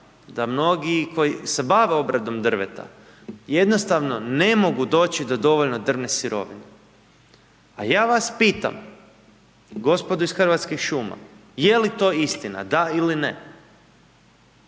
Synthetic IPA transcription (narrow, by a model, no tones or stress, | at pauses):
d̪amno̞ɡiko̞jise̞baʋe̞o̞bɾad̪o̞md̪r̩ʋe̞̰t̪a̰ | je̞d̪nost̪aʋno̞ne̞mo̞ɡud̪o̞ːt͡ɕid̪od̪o̞ʋoʎno̞d̪r̩ʋne̞siɾo̞̰ʋine | ajaːʋaspiːt̪a̰m | ɡo̞spo̞d̪uisxrʋat̪skixʃuma̰je̞lit̪o̞ːist̪ina̰d̪ailine